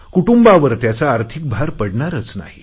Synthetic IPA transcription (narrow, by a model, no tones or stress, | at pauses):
kuʈumbaʋəɾt̪jat͡saːɾt̪ʰik̚bʱaɾpəɽɳaɾət͡sna̰ɦi